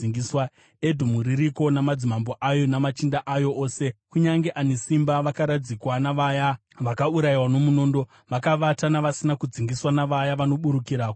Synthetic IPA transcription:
iŋɡiswa | e̞dʱumuɾiɾiko̞namad͡zimambo̞ʔajo̞namat͡ʃindaʔajo̞ʔoːse̞kuɲaŋɡe̞ʔanesimbaʋakaɾad͡zikwanaʋaja | ʋakauɾajiwano̞muno̞ːndo̞ | ʋakaʋatanaʋasinakud͡ziŋɡiswanaʋajaʋano̞ɓuɾukiɾaːko

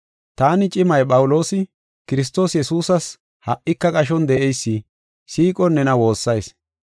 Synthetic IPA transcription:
t̪aːnɪt͡ʃʼɪmɐjpʼɐwʊlo̞ːsɪ | kɪɾɪs̬t̪o̞ːsjɛsuːsɐs | hɐʔʔɪkːɐkʼɐʃ̬ɔnd̪ɛʔɛjsːɪ | siːkʼɔnːɛnɐwo̞ːsːɐjs

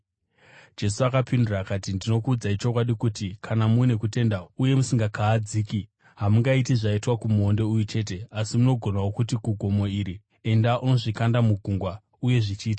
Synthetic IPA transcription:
d͡ʒe̞suakapinduraːkatindino̞kuːd͡zait͡ʃo̞kwaɗikutikʰanamune̞kute̞ndauje̞musiŋɡakaːd͡ziːki | ɦamuŋɡaitiʐaitwakumuɦo̞nde̞ujut͡ʃe̞ːt̬e̞asimuno̞ɡʱo̞nawokutiɡʱuɡʱo̞mo̞iɾi | e̞ndaʔuno̞ʐikandamuɡʱuŋɡwa | uje̞ʐit͡ʃiːtḁ

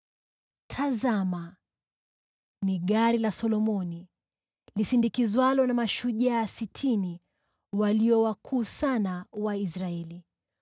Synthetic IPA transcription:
tʰazama | niɠaɾilasɔlɔmɔni | lisindikizwalɔnamaʃuʄaːsitʰini | waliɔwakʰuːsanawaisɾaɛli

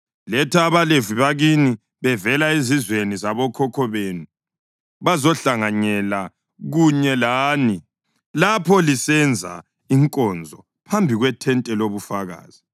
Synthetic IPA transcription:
lɛtʰaβaleviβaɣini | βɛvɛlaezizwenizaβɔkʰɔkʰɔβenu | βazɔɬaŋaɲɛla | ɣuɲɛlaːni | lapʰɔlisɛnd͡zʱa̰ | iŋkʼɔnd͡zʱɔ | pʰambʱiɣwɛtʰɛntʼɛloβufaɣa̰ːz̥i

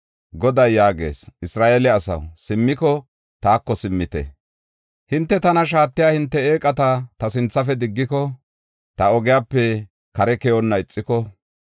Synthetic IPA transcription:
ɡɔd̪ɐjːaːɡe̞̰ːsʔɪsɾaːʔɛlɛɐsɐ̰wsɪmːɪkɔ | t̪aːkːɔsɪmːɪt̪ɛ̰ | hɪnt̪ːɛt̪ɐnɐʃ̬aːt̪ːɪjaːhɪnt̪ːɛeːkʼɐt̪at̪ɐsɪnt͡sːɐfɛd̪ɪɡːɪkɔ | t̪ɐɔɡɪjaːpːɛ | kɐɾɛkɛjɔnːɐɪt͡sʼːɪkɔ

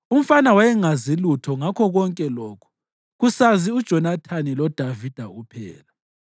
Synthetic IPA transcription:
um̩fanawajɛŋazilutʰɔŋakʰɔɣɔŋkʼɛlɔːkʰu̥ | ɣusaziud̥ʒ̥ʱɔnatʰanilɔd̥ʱavid̥ʱaupʰɛ̰ːla

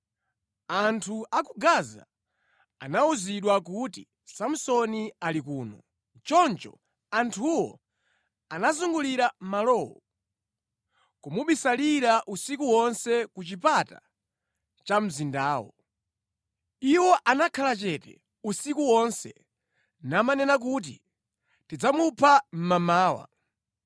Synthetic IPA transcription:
antʰuʔakuɡaza̰ | a̰nauziɗwak̬uti | sam̩sɔnialikuːnɔ | t͡ʃɔnt͡ʃɔ̰ | antʰuwɔ̰ | anazuŋɡuliɾamalɔwɔ̰ | kumuɓisaliɾaʔusikuwɔnsɛkut͡ʃipata̰ | t͡ʃam̩zindaːwɔ̰ | iwɔʔanakʰalat͡ʃɛtɛ̰ | usikuwɔnsɛ | namanɛnak̬ut̬ḭ | tid͡zamupʰam̩mamaːwa̰

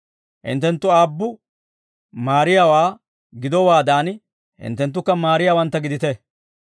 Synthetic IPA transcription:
hɪ̰nt̪ːɛnt̪ːʊaːbːʊ | maːɾɪjaːwaː | ɡɪd̪ɔwaːd̪aːn | hɪ̰nt̪ːɛnt̪̬ːʊkːɐmaːɾɪjaːwɐnt̪ːɐɡɪd̪ɪt̪ɛ

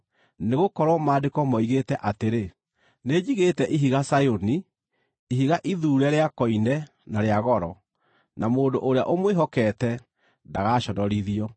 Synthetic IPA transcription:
neɣokɔɾwɔmaːdekɔmɔiɣetɛʔateɾe | ned͡ʑiɣetɛʔiɦiɣasajoni | iɦiɣaʔiðuːɾɛɾeakɔinɛ | naɾeaɣɔɾɔ | namoːndoʔoɾeaʔomweɦɔkɛtɛ | ndaɣaʃɔdɔɾiðiɔ

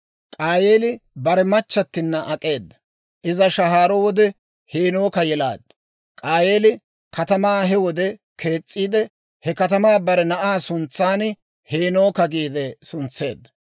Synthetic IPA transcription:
kʼaːjeːlɪbɐɾɛmɐt͡ʃːɐt̪ːɪnːɐʔɐkʼe̞ːd̪ːɐ̥ | ʔɪzɐʃɐɦaːɾɔwɔd̪ɛ | heːnoːkɐjɛla̰ːd̪ːɐ | kʼaːjeːlɪ | kɐt̪ɐmaːɦɛwɔd̪ɛ | kʰe̞ːt͡sʼːiːd̪ɛ | hɛkɐt̪ɐmaːbɐɾɛnɐʔaːsʊnt͡sːaːn | heːno̞ːkɐɡiːd̪ɛsʊnt͡sːe̞̰ːd̪ːɐ̥

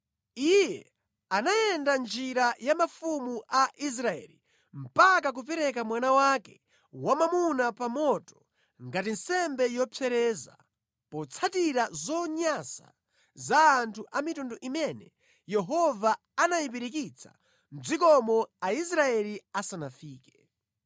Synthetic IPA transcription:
ijɛ | anajɛndand͡ʒiɾajamafumuʔaʔis̬ɾaɛ̰li | m̩pakak̬up̬ɛɾɛkamwanawakɛ | wamamunapamɔtɔ̥ | ŋɡatinsɛmbɛjɔpʰɛɾɛːza̰ | pɔt͡sʰatiɾazɔɲasa̰ | zaːntʰuʔamitundɔʔimɛnɛ | jɛɦɔvaː | najip̬iɾik̬it͡sʰa̰ | n̩d͡zik̬ɔmɔais̬ɾaɛliasanafiːkɛ̥

